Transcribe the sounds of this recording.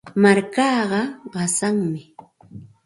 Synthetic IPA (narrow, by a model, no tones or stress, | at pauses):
maɾkɑːɢɑɢɑsaŋmɪ